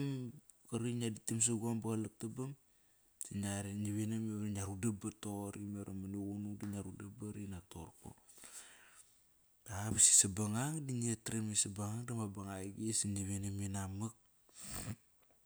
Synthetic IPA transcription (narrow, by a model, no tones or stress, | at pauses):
m | kaɾinaditims̬aɡuambaɣalak̚tabam | siɲaɾeniβenameɾaɲaɾudabatoɾimeɾamanuɡunudiɲaɾudabaɾinatoɾko̰ | aβasi̥sabaŋaŋdinietɾemisabaŋaŋdamabaŋajɡisiniβenaminamak̚